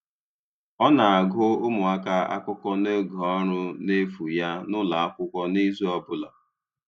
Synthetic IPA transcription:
ɔ˦na˨a˨ɡʊ˦ʊ˦mʊ˨a˦ka˦a̰˦kʷʊ˦kɔ˦ne˦ɡɔ˨ɔ˦ɾʊ˦ne˦fu˨ja˦nʊ˦la˨a˦kʷʊ˦kʷɔ˦ni˦zɔ˦bʊ˦la˨

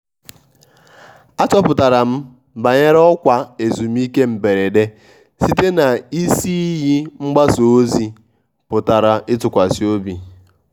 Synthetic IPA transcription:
a˦t͡ʃɔ˦pʊ˨ta˨ɾa˨m̩˦ | ba˨ɲe˦ɾɔ˦kʷa˨e˨zu˨m̩˦i˦ke˦m̩˨be˨ɾe˨de˦ | si˦te˦na˨i˦si˦ji˦ŋ͡m̩˦ɡ͡ba˦so˨o˦zi˦ | pʊ˨ta˨ɾa˨ʔɪ˦tʊ˨kʷa˨si˦o˦bi˨

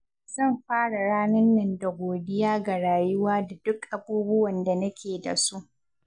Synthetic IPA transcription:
z̥ɐ˦˨mɸaː˦ɽa˨ɽaː˦nɐ˦nːɐ˨nda˨ɡʷoː˨dɪ˦jaː˦ɡa˨ɽaː˨jʊ˦waː˦da˨dʊ˦kʔa˨buː˦bʊ˦wɐ˨nda˨nɐ˦kʲeː˨da̰˨su˦ʔ

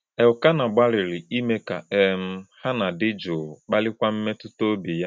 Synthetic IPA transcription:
ɛ˨ʊ˨ka˦na˨ɡ͡ba˦ɾɪ˨ɾɪ˨i˦me˦ka˨e˨m̩˦ha˦na˨dɪ˦d͡ʒʊ˨k͡pa˦lɪ˦kʷa˦m̩˦me˦tʊ˦to˦bi˨ja˦

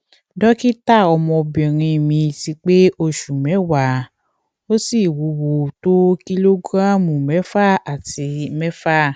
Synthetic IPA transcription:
dɔ˦ki˦ta˦˨ɔ˧mɔ̃˧bĩ˨ɾ̃ĩ˧˨mĩ˧ti˧k͡pe˦ʔo˧ʃu˨mɛ̃˨˦wa˨˦˨ | o˦si˦˨wu˨˦wo˨to˦ki˦lo˦ɡɾã˦mũ˨mɛ˨˦fa˦a˨ti˧mɛ˦fa˦

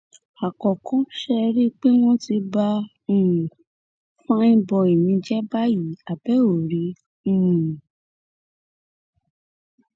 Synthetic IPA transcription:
a˨kɔ˨kɔ̃˨˦ʃɛ˧ɾi˦k͡pe˦w̃ɔ̃˦ti˧ba˧˦ | ũ˨ | fã˦ĩ˦bɔ˧e˨nĩ˧d͡ʒɛ˦ba˦ji˨˦a˨bɛ˨˦o˨ɾi˨˦ | ũ˦˨

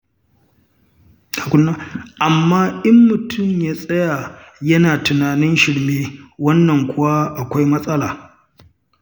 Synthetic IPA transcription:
a˨kʷʊ˦nːa˦ʔa˨mːaː˦ʔɪ˦mːʊ˨tʰʊ˦˨mjaː˦sʼɐ˦ja˨jɐ˦naː˨tʊ˨naː˨nɪ˦nʃɪ˨ɽmeː˦wɐ˦nːɐ˨ŋkʷʰʊ˦wa˦ʔa˨kʷa˦jmɐ˦sʼɐ˦laː˨

